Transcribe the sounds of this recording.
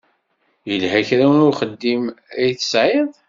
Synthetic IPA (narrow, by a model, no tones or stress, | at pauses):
jəlhæçɾæwənʊɾχəd̪ːimæjθə̥sʕeðˤ